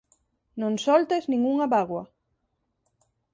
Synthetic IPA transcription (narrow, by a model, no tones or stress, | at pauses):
nõŋsɔlt̪eznĩŋɡuŋaβaɣwɐ